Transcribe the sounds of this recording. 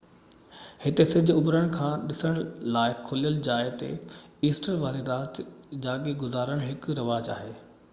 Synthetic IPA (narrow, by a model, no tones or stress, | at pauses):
hɪt̪esɪ̃d͡ʑʱʊʊbɾəɽ̃̆kʰãːɗɪsəɽ̃laːɪkʰoːlijəld͡ʑaːɪt̪ḛiːsʈəɾʋaːɾiɾaːt̪d͡ʑaːɠiɡʊzaːɾəɽ̃ɦɪkɾɐʋaːd͡ʑa̰ːɦeː